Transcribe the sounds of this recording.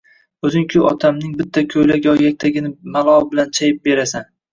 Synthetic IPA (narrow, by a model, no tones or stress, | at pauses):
ɵzɪŋkʲʰʊʔɒt̪ʰamnɪŋbɪt̪ʰːakʲʰɵjlakʲjɒjak̚ʲt̪ʰaɡʲɪnɪmalˠɒɪbɪlant͡ʃʰajɪp̚be̞ɾasan